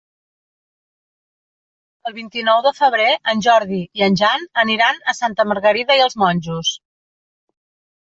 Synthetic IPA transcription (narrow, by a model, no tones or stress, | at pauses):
əlˠβint̪inɔwðəfəβ̞ɾeʔənʲʒɔɾðiiənʲʒanəniɾanəsant̪əməɾɣəɾiðəiəlˠzmɔnʲʒus